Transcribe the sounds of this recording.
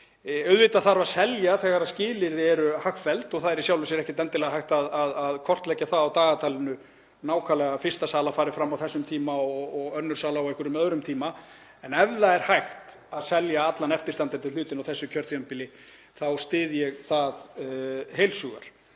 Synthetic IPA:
œɥðvɪːt̪aðθaɾvḁsɛljaθɛkaɾascɪːlɪɾðɪɛɾʏhaxfɛlt̪ɔɣθaðɛɾisjawlvɪsɛɾɛhcɪt̪ɛnt̪ɪlɛɣaɦajht̪aðaðaðkʰɔr̥t̪lɛcːaθaðawt̪aːɣat̪ʰaːlɪnʏ | naːwkʰaːlɛɣafɪrst̪asaːlafaːɾɪfɾamːawθɛsːʏmt̪ʰiːmaɔɣɔɣœnːʏɾ̥saːlaɔwɛhkʏɾʏmœðɾʏmt̪ʰiːma | ɛnɛvðaɛɾ̥hajxt̪aðsɛljaat̪lanɛft̪ɪ̥st̪ant̪ɪnt̪ʰɪlʏːt̪ɪnawθɛsːʏcʰœ̥t̪jœmpɪlɪ | θawst̪ɪːðjɛɣθað | ɦejlsuɣa̰ɾ̥

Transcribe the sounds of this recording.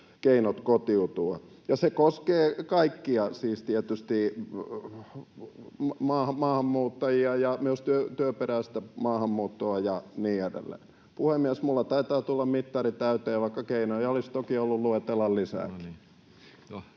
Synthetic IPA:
keinot̪kot̪iut̪uɑ | jɑsekoskeːkɑikːiɑsiːst̪iæt̪yst̪i | mɑːhɑmɑːhɑmːuːt̪ːɑjiɑjɑmyøst̪yøt̪yøperæːst̪æmɑːhɑmːuːt̪ːoɑjɑniːedḛlːḛːn | puhemːiæsmulːɑt̪ɑit̪ɑːt̪ulːɑmmit̪ːɑrit̪æyt̪eːʋɑikːɑkeinojɑolist̪okiolːulluet̪elːɑllisæ̰ːki̥

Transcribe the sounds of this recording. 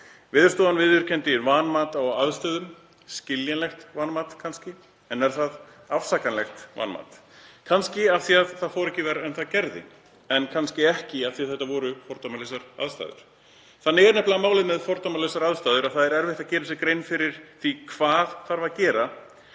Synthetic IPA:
vɪːðʏ̥ɾ̥st̪ɔːðanvɪðʏɾ̥cʰɛnt̪ɪvaːnmaːt̪awaðst̪œːðʏm | scɪljanlɛxt̪vaːnmaːt̪kʰanscɪ | ɛnːɛɾ̥θað | afsakanlɛxt̪va̰ːnma̰ːt̪kʰanscɪaθiaðθaðfɔwɾɛhcɪvɛːɾaɛnθaðcɛɾðɪ̰ | ɛnkʰanscɪɛhcɪaθiaðθɛht̪ːavɔːɾʏfɔɾ̥t̪amalesaɾa̰ðst̪a̰ːðʏ̰ɾ̥ | θaðnɛːɣɾnɛplaɣamaːwlɪðmɛðfɔɾt̪amalɛsaɾaðst̪aːðʏɾaðθaðɛɾɛɾvɪht̪acɛːɾɪsɪkɾejnfɪɾɪɾ̥θikʰvaːðθaɾvacɛːɾa

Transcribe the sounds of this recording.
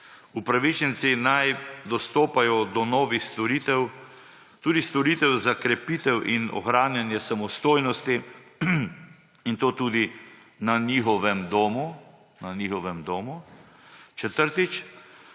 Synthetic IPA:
upɾaʋit͡ʃɛnsinajd̪ɔst̪oːpajɔd̪ɔnɔːʋixst̪ɔɾiːt̪ɛw | t̪uːd̪ist̪ɔɾiːt̪ɛwzakɾɛpiːt̪ɛwʔinɔ̰xɾaːnjanjɛsamɔst̪oːjnɔst̪i | int̪oːt̪uːd̪i | nanixɔʋɛmd̪oːmu | nanixɔʋɛmd̪oːmu | t͡ʃɛt̪əɾt̪it͡ʃ

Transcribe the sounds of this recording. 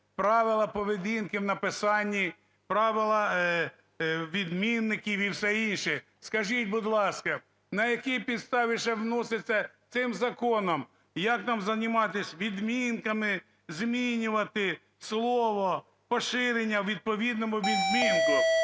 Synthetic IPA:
pɾɑʋɪlˠɐpɔʋed̪ʲinkɪwnɐpɪsɑnʲːi | pɾɑʋɪlˠɐ | ʋʲid̪mʲinːɪkʲiʋiwsɛinʃɪ | skɐʒitʲbʊd̪lˠɑskɐ | nɐjɐkʲipʲid̪st̪ɑʋʲiʃɛwnɔsɪt͡sʲːɐt̪sɪmzɐkɔnɔm | jɐknɑmzɐnʲɪmɑt̪ɪsʲʋʲid̪mʲinkɐmɪ | zmʲinʲʊʋɐt̪ɪ | slˠɔʋɔ | pɔʃɪɾenʲːɐwʋʲid̪̚pɔʋʲid̪nɔmʊʋʲid̪mʲinkʊ

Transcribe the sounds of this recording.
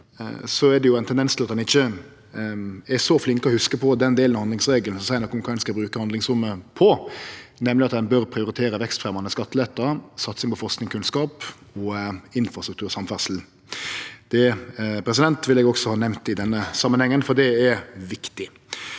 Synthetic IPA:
sɔɛd̪ɛjʊɛɪnt̪ʰɛnd̪ɛnst̪ɪlɑt̪̚dɛnɪçːə | ɛɾsɔflɪŋkəɔhʉskəpʰɔd̪ɛnd̪eːlnɑhɑnd̪lɪŋsɾeːɡəln̩sɔsæɪənɔkʊmkʰɑɛnskɑbɾʉːkəhɑnd̪lɪŋsɾʊmːəpʰɔnɛmlɪɑt̪̚d̪ɛnbœɾpʰɾɪʊɾɪt̪ʰeːɾəʋɛkst̪fɾɛmɑnəskɑt̪ːəlɛt̪ːəɾsɑt̪sɪŋpʰɔfɔʁsknɪŋkʰʉnskɑːpɔɪnfɾɑst̪ɾʉk̚t̪ʉːɾsɑmfæʂl̩ | d̪̥ɛpʰɾɛs̬ɪd̪ɛnt̪ʋɪlɛɡɔɡsɔhɑːnɛʋmnt̪ɪd̪ɛnːəsɑmːənhɛŋːənfɔʁd̪ɛɛɾʋɪkt̪ɪ

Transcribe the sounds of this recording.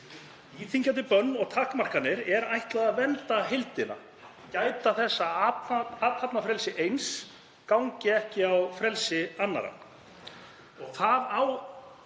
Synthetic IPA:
iːt̪ʰiɲcant̪ɪpœnːɔɣt̪ʰaːhkmar̥kanːɪɾɛɾajht̪laɣðaðvɛnt̪aɦɪlt̪ɪna̰ | caːjt̪aθɛsːa | at̪hapnafɾɛlsɪʔejns | kawɲcɪɛhcɪawfɾɛlsɪanːa̰ɾa̰ | ɔɣθaðaw

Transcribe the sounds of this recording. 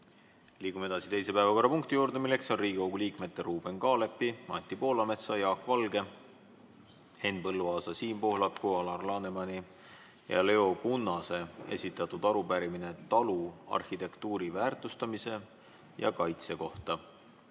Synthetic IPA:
liːkumee̞d̪ɑsit̪e̞jse̞pæevɑko̞rːɑpuŋk̚t̪ijuːɾd̪e̞milːe̞kso̞nriːɡ̥ʲikoɡ̥uliːkme̞t̪ːe̞ɾuːb̥e̞nkɑːle̞pːimɑnʲt̪ːipo̞ːlɑme̞t̪sɑjɑːkːˑvɑlɡe̞ | he̞nːpɤlːuɑːsɑsiːmpohlɑkːuɑlɑrlɑːne̞mɑni | jɑ̰le̞o̞kunːɑse̞e̞̰sʲit̪ːˑɑt̪ːud̪̥ɑɾupæɾimine̞t̪ɑluɑ̰rhit̪e̞kt̪uːɾivæːrt̪ˑust̪ɑmise̞ | jɑ̰kɑjt̪se̞ko̞ht̪ɑ

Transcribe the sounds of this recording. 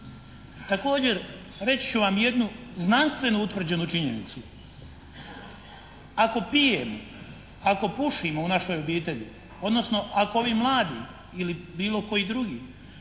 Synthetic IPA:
t̪ako̞ːd͡ʑe̞ɾ | ɾe̞t͡ɕi̥t͡ɕuʋamje̞d̪nuznanst̪ʋe̞nuut̪ʋr̩d͡ʑe̞nut͡ʃiɲḛnḭt̪su | ako̞pijemo̰ | ako̞puʃimounaʃo̞ːjo̞biːt̪e̞ʎḭ | o̞d̪no̞sno̞ʔakooʋiːmlˠaːd̪ḭː | ilibiːlo̞ko̞jiːd̪ɾuɡiː

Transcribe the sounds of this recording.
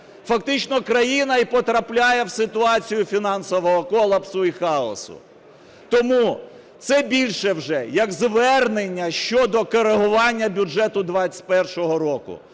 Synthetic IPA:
fɐkt̪ɪt͡ʃnɔkɾɐjinɐipɔt̪ɾɐplʲajɛwsɪt̪ʊɑt͡sʲijʊfʲinɑnsɔʋɔɦɔkɔlˠɐpsʊixɑɔ̰sʊ̰ | t̪ɔmu | t̪sɛbʲilʲʃɛwʒɛjɐɡzʋɛrnenʲːɐʃt͡ʃɔd̪ɔkɔɾeɦʊʋɑnʲːɐbʲʊɛt̪ʊd̪ʋɑt͡sʲtʲpɛrʃɔɦɔɾɔkʊ̰

